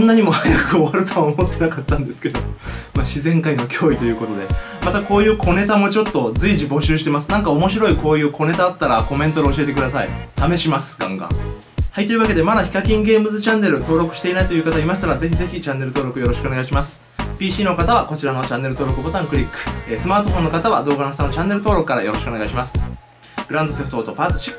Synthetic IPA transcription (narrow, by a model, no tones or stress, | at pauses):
õnːaɲ̟imo̞hajakɯ̟oβaɾɯ̟t̪o̞βaomot̪ːe̞nakat̪ːãnd̪e̞sɨ̥ke̞d̪o̞maɕizẽ̞ŋkaino̞kʲʰo̞ːit̪o̞jɯ̟ːko̞t̪o̞d̪e̞ | mat̪ako̞ːjɯ̟ːkʰo̞ne̞t̪amo̞t͡ɕo̞t̪ːo̞d͡zɨiʑibo̞ɕɨːɕ̬i̥t̪e̞masɨ̥nãŋkao̞mo̞ɕiɾo̞iko̞ːjɯ̟ːkʰo̞ne̞t̪aat̪ːaɾako̞mẽ̞nt̪od̪eoɕie̞t̪e̞kɯd̪asaḭt̪ame̞ɕimasɨ̥ɡ̥ã̰ŋɡã̰ŋ | hait̪ːeɾɯ̟βake̞d̪e̞mad̪açi̥kakʲĩŋɡe̞ːmbɯ̟zɨt͡ɕãnːe̞ɾɯ̟t̪o̞ːɾo̞kɯ̟ɕi̥t̪e̞inait̪o̞jiɯ̟kat̪aimaɕi̥t̪aɾaze̞çize̞çit͡ɕãnːe̞ɾɯ̟t̪o̞ːɾo̞kɯ̟jo̞ɾo̞ɕi̥kɯoneaiɕ̬imasɨ̥ | pʲiːɕiːno̞kat̪aβako̞t͡ɕiɾano̞t͡ɕãnːe̞ɾɯt̪o̞ːɾo̞kɯ̟bo̞t̪ãŋkɯ̟ɾʲikːɯ̟̥esɨmaːt̪o̞ɸõ̞nːo̞kat̪aβa̰d̪o̞ːɡanost̪anot͡ɕãnːe̞ɾɯt̪oːɾo̞kɯ̟kaɾa̰jo̞ɾo̞ɕi̥kone̞ɡaiɕimasɨ̥ | ɡɯ̟ɾãnd̪o̞seɸɯ̟t̪oːt̪o̞paːt̪oɕi̥kː